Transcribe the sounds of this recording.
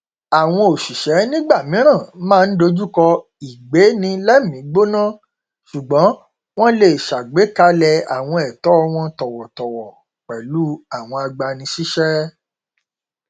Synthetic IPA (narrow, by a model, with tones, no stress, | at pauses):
a˨w̃ɔ̃˧o˨ʃi˨ʃɛ˨˦nĩ˦ɡ͡ba˦˨mĩ˨˦ɾ̃ã˦˨˦mãː˦˧n̩˦do˧d͡ʒu˦kɔ˧ | i˨ɡ͡be˨˦nĩ˧lɛ˦˨mĩ˨˦ɡ͡bo˦nã˦˨ | ʃu˨ɡ͡bɔ̃˨˦ | w̃ɔ̃˦le˦˨ʃa˨ɡ͡be˨˦ka˧˦lɛ˧a̰˨w̃ɔ̃˧ɛ˨tɔ˨˦˧w̃ɔ̃˧tɔ˨wɔ˨tɔ˨wɔ˨ | k͡pɛ˨lu˦a˨w̃ɔ̃˧a˧ɡ͡ba˧nĩ˧ʃi˦ʃɛ˦